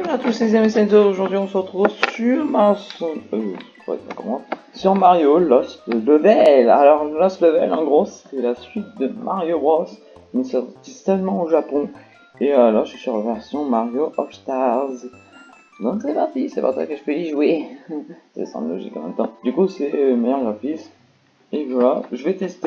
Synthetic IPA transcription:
lat̪ulsezjɛmesɛzooʒuʁd̪ɥiɔ̃səʁət̪χuvsyʁmasɔ̃øpuʁɛ̰t̪χɛ̰kɔ̰ʁmsyʁmaʁjolɔsləvɛla̰lɔʁlɔsləvɛlɑ̃ɡʁose̥t̪ɛlasɥit̪̚d̪əmʔa̰ʁjobʁɔs | mɛsɛt̪isəlmɑ̃oʒapɔ̃ | eølaʒəsyʁvɛʁsjɔ̃maʁjoʔɔfst̪aʁz | nɔ̃ksɛpaʁt̪isɛpa̰ʁsa̰kəʒəpøiʒwe | sɛ̰sɑ̰̃blɔʒḭkɑ̰̃mɛ̰̃mt̪ɑ̃d̪ykusɛmejœʁɡʁafis | evwalaʒəvɛt̪ɛst̪

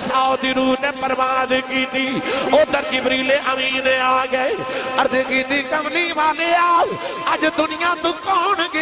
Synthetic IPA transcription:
saːod̪iːɾuːpnẽːpəɾʋaːd̪ekiːt̪iːoːd̪əɾkibɾiːleːʔəmiːneːaːɡəeəɾd̪eːkiːt̪iːkəmniːʋaːleːaːəd͡ʒd̪ʊnɪjãːt̪ũːkɔːnɡe

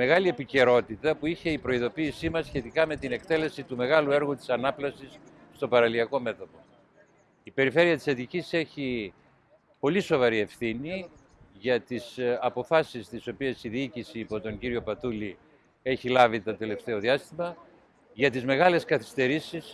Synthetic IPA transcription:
me̞ɣɐlie̞pice̞ɾo̞t̪it̪ɐpuiçe̞ipɾo̞iðo̞piːsimɐsçe̞t̪ikɐme̞t̪ine̞kt̪e̞le̞sit̪ume̞ɣɐlue̞ɾɣut̪i̥sɐnɐplɐsis | st̪o̞pɐɾɐliɐko̞me̞t̪o̞po̞ | ipe̞ɾife̞ɾiɐt̪i̥sɐðicise̞çi | po̞liso̞vɐɾie̞fθini | ʝɐt̪isɐpo̞fɐsist̪iso̞piesiðiicisiːpo̞t̪o̞ɲɟiɾio̞pɐt̪uli | e̞çilɐvit̪ɐt̪e̞le̞ft̪e̞o̞ðiɐst̪imɐ | ʝɐt̪izme̞ɣɐle̞skɐθi̥st̪e̞ɾisis

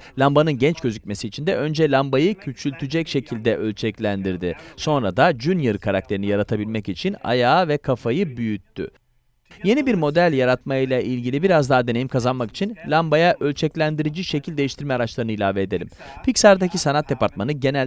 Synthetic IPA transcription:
lʲambanɯnɟɛnt͡ʃɟøzycʲme̞siːt͡ʃʰind̪ɛʔø̞nd͡ʒɛlʲambajɯcʰyt͡ʃylʲt̪ʰyd͡ʒɛcʃe̞cʰilʲd̪ɛʔø̞lʲt͡ʃʰɛclʲænd̪iɾd̪ɪso̞nɾad̪ad͡ʒynjɯɾkʰaɾak̚t̪ʰe̞ɾinijaɾat̪ʰabilʲmɛcit͡ʃʰina̰jaːvɛkʰafajɯbyjyt̪ʰːy̰ | je̞nibiɾmo̞d̪ælʲjaɾat̪majlʲˠaʔilʲɟilʲibiɾazd̪aɦad̪e̞nejimkʰazanmaki̥t͡ʃʰinlʲambajaʔølʲt͡ʃʰɛclʲænd̪iɾid͡ʒiʃe̞cʰilʲd̪ejiʃt̪ʰiɾmɛaɾat͡ʃlˠaɾɯnɯilʲaːveːd̪e̞lʲḭmpʰicsaɾd̪acʰisanat̪̚d̪e̞paɾt̪̚manɯɟe̞næ

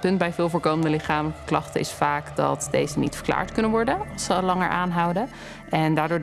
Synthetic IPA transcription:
pɵntbɛjvɪːlˠvoːɹkowməndəlɪχaːmələkə̥klɑχtənɪ̰sfaːkdɑ̰tdejzənḭtfə̥ɹkla̰ːɹtkɵnənʋɔɹdəsəlɑŋə̰ɹʔaːnɦʌwdə | ɛndaːɹdʊːɹ

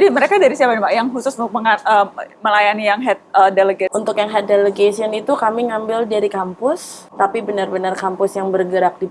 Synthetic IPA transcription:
d͡ʒdiməɾekadaɾisiapanpaʔjaŋɦusʊsunʊk̚məŋaəməlajanijaŋɦɛt̪̚ədeleɡeunt̪ʊkjaŋɦɛt̪̚deleɡasiɔnit̪ukamiŋambɪldaɾikampʊst̪apibənarbənarkampʊsjaŋbərɡəɾak̚di

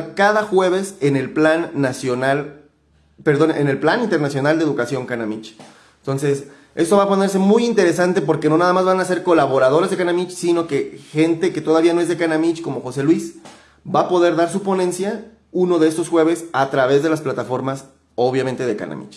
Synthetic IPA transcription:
kaðaxwe̞β̞e̞sene̞lplanːasjonal | peɾðo̞nḛne̞lplanint̪e̞ɾnasjo̞nald̪eðukasjo̞ŋkanamit͡ʃ | nt̪o̞nse̞s | e̞st̪o̞βapo̞ne̞ɾse̞mujint̪e̞ɾe̞sant̪e̞p̬o̞ɾkeno̞naðamazβanase̞ɾko̞laβo̞ɾaðo̞ɾezðe̞kanamit͡ʃsino̞ke̞xe̞nt̪e̞ke̞t̪o̞ð̞aβianoe̞zðe̞kanamit͡ʃko̞mo̞xo̞se̞lwis | bapo̞ðe̞ɾðaɾs̬upo̞nẽ̞nsja | uno̞ðe̞est̪o̞sxwe̞β̞e̞sat̪ɾaβe̞zðe̞lasplat̪afo̞ɾmas | o̞β̞jament̪e̞ðe̞ka̰na̰mḭt͡ʃ

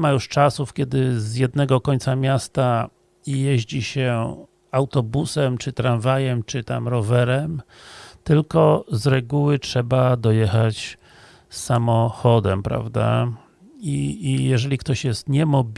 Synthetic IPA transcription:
majuʂt͡ʂasufkʲɛd̪ɘzjɛd̪nɛɡɔkɔɲʲt̪samʲjast̪a | jɛʑd͡ʑiɕɛ | awt̪ɔbusɛmt͡ʂɘt̪ɾanvajɛmt͡ʂɘt̪a̰mɾɔvɛɾɛm | t̪ɘlkɔzɾɛɡuwɘtʂɛbad̪ɔjɛxat͡ɕ | sːamɔxɔd̪ɛmpɾa̰vd̪a̰ | ijɛʐɛlʲikt̪ɔɕjɛst̪ɲɛmɔbʲ

